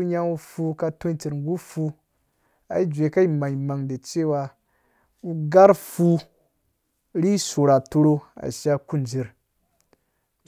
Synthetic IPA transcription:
u˦ɲa˦ŋu˦fu˧ka˧to˦i˦t͡ʃi˨ɾŋ˦ɡu˦fu˧ | a̰˨i˦d͡ʒʷe˨ka˦i˦ma˨i˨ma˨ŋde˨t͡ʃe˦wa˧ | u˦ɡa˦ɾfu˧ | ɾi˦su˨ɾa˨to˧ɾo˧a̰˨ʃa˦ku˦˨nd͡ʒi˨ɾ

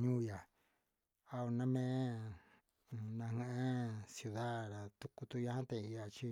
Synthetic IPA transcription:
ɲũː˦ja˨ | a˧o˧nã˧mẽ˦˧ | nã˧hẽ˦ʔẽ˦sju˧ða˦ɾa˨t̪u˧ku˧t̪u˧ja˧hã˦t̪ẽ˧i˧ja˨t͡ʃi˦

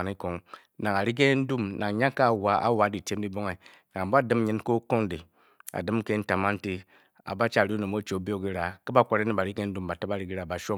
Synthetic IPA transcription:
ni˦ko˨ŋ | na˨ŋa˨ɾi˦ɡ̬e˦n̩˦du˦mnʔa˨ŋ˨ɲa˦ka˦˨wa˨˦a̰˦wa˨˦di˨te˦m˦di˦bo˦ŋe˨ | na˨ŋ˨ba˦˨dɨ˦m˦ɲi˦n˦ko˦ko˦ŋ˦di˨ | a̰˨dɨ˦m˦ke˦n̩˦ta˨ma˦n̩˦ti˦ | a̰˨ba˦t͡ʃa˦˨ɾi˦no˨mo˦t͡ʃo˨˦bi˦o˦ɡi˦ɾa˨ki˦ba˦kʷa˦ɾe˦ni˦ba˨ɾi˦ke˦n̩˦du˦mba˨ta˦ba˦ɾi˦ɡi˦ɾa˨ba˨ʃo˦

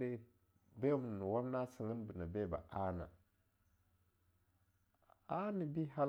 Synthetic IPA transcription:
ɾe˦ | be˦mu˨nu˨wa˦m˦na˦si˨ŋə˦nbi˨na˨be˦˨ba̰˨a˦na̰˨ | a˦ni˨bi˦ɦa˦l

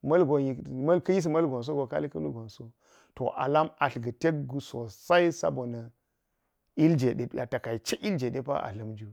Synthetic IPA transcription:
mɐ˦lɡo˨ji˨mɐ˦lkɐ˦ji˦s̬mɐ˦lɡo˨ns̬o˦ɡo˨ka̰˦li˦kɐ̰˦lu˦ɡo˨nso˦ | to̰˨ʔa̰˨la˦ma˨ɬɡɐ˨te˦k̚ɡu˨so˨sa˦i˦sa̰˦bo˨nɐ˨ | i˦ld͡ʒe˨de˨˦a˨ta˨ka˨i˨t͡ʃe˦ʔi˦ld͡ʒe˨ɗe˦pa̰˦ʔa̰˨ɬɐ˨md͡ʒu˦

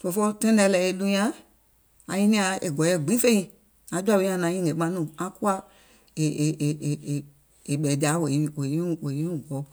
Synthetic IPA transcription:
to˨fɔ˦tɛ̃˦nɛ˧lɛ˨e˧lu˧j̃ã˦ | a˨jĩ˦nĩ˦a˧e˨ɡɔ˨˦jɛ˨ɡ͡bĩ˨˦fe˦ĩ˧ | a˨˧˦d͡ʒu˦a˦˨wẽ˧˦ã˧˨nã˨˦ĩ˦˨e˨˦ɡ͡bã˧˦nũ˦˨ã˧˦ku˦a˦ | e˨ | e˨ɓɛ˨di˨a˨˦we˨˦we˨i˦˨wo˨ĩ˦u˨ɡɔ˨˦

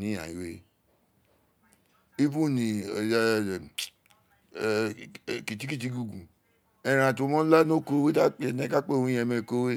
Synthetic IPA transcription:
nĩ˦ã̰˨i˨˦we˦ | i˦vu˦nĩ˨ | ki˨ti˦ki˦t̬i˧˦ɡu˧˨ɡũ˨ | ɛ˨ɾã˨to˨˧˦mɔ̃˦la˦no˦ko˦we˦ta˦k͡pnɛ̃˦ka˦k͡pe˦˨ũ˦ɛ˧˨me˧˨ko˦we˦

